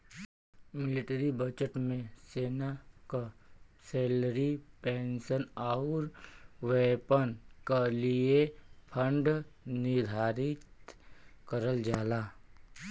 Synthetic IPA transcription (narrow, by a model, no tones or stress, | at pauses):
mɪlɪʈəɾibəd͡ʒəʈmẽseːnakaseːlɾipeːnsənaɾʋɛːpənkaliepʰə̃ɳɖnɪɾd̪ʱaːɾɪt̪ | kəɾəld͡ʒaːlaː